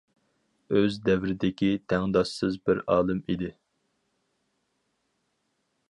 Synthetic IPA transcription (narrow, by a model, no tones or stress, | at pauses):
øzd̪ɛvɾɪd̪ɪkʲit̪ʰɛŋd̪ɑʃsɨzbɪɾɑːlˠɨmid̪ɪ